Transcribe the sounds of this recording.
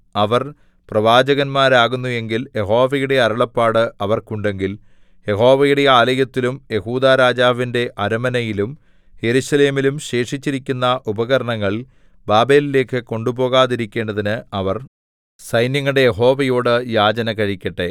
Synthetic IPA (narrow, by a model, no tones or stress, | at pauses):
ɐʋɐr | prɐʋaːd͡ʑɐɣɐnmaːɾaːɣunːue̞ŋɡilje̞ɦo̞ːʋɐjuɽe̞ɐɾɐɭɐpːaːɽɨɐʋɐrkuɳɖe̞ŋɡil | je̞ɦo̞ːʋɐjuɽe̞aːlɐjɐt̪ːilumje̞huːd̪aːɾaːd͡ʑaːʋinde̞ʔɐɾɐmɐnɐjilum | he̞ɾuɕɐle̞ːmilumɕe̞ːʂit͡ɕːiɾikʲːunːɐʔubɐɣɐɾɐɳɐŋːɐɭ | baːbe̞ːlile̞ːkːɨko̞ɳɖubo̞ːɣaːðiɾikʲːe̞ːɳɖɐðinɨɐʋɐr | sɐjnjɐŋːɐɽe̞jeɦo̞ːʋɐjoːɽɨjaːd͡ʑɐnɐkɐɻikʲːɐʈːe̞